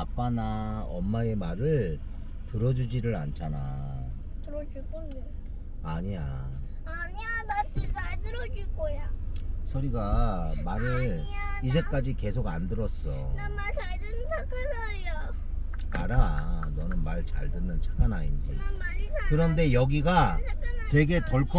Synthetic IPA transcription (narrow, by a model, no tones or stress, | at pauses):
ap͈anaʌmːae̞maɾɯɭ | tɯɾʌd͡ʑud͡ʑiɾɯɾa̰nt͡ɕʰana | tɯɾʌd͡ʑuɭk͈omːi | aɲia | aɲiamas͈iaɭdɯɾʌd͡ʑuɭɡojasʰʌɾiɡamaɾɯɭ | id͡ʑe̞k͈ad͡ʑike̞s̬ʰoɡandɯɾʌs͈ʌ̰ | mat͡ɕaɭdɯnɯnt͡ɕʰakanʌɾia | aɾanʌnɯnmaɭt͡ɕa̰ɭdɯnːɯnt͡ɕʰḁkana̰ɲinɯɡʌjo | kɯɾʌnde̞jʌɡiɡattwe̞ɡe̞toɭkʰ